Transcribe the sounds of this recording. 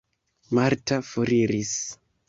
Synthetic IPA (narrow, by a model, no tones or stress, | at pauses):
maɾtafoɾiɾis